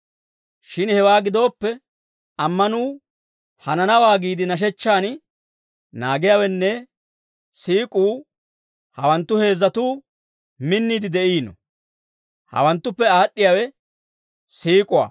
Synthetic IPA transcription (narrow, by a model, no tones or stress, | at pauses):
ʃɪnhɛwaːɡɪd̪o̞ːpːɛ | ɐmːɐnuː | hɐnɐnɐwaːɡiːd̪ɪnɐʃ̬ɛt͡ʃːaːn | naːɡɪjawɛnːɛ | siːkʼuː | hɐwɐnt̪ːʊhe̞ːzːɐt̪uː | mɪnːiːd̪ɪd̪ɛʔiːnɔ̰ | hɐ̰wɐnt̪ːʊpːɛaːɗːɪjawɛ | siːkʼʊwa̰ː